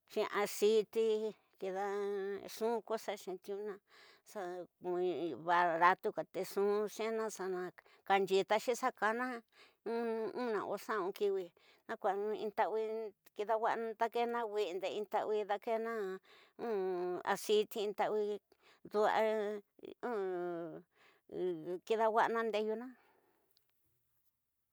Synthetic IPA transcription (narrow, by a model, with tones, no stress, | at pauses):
ʃĩ˧ʔa˧si˦t̪i˧ | ki˧ða˧ʂũ˦ko˦sa˦ʃẽ˧t̪i˧ũ˦nã˧ | sa˧ĩ˧βa˧ɾa˧t̪u˧ka˨t̪e˧ʂũ˦ʃẽ˦nã˦sa˧nã˧ | ka˧nd͡ʒi˧t̪a˧ʃĩ˦sa˦ka˧nã˦ | ũ˦˧ũ˦nã̰˨ʔo̰˧˦sã˦˨ũ˧ki˧wi˧ | nã˦kʷa˨nũ˧ḭ̃˧nt̪a˧wi˧ | ki˧ða˧wʷa˦ʔnã˧t̪a˦ke˦nã˦˧wʷi˧nd̪e˧ĩ˧nt̪a˧ʔi˧ða˧ke˦nã˦ | ũ˦a̰˧si˧t̪i˧ĩ˧t̪a˧ʔwi˧ | ðu˧a̰˧ | ũ˦ | ki˧ða˧wʷa˦ʔnã˦nd̪e˧ju˧nã˦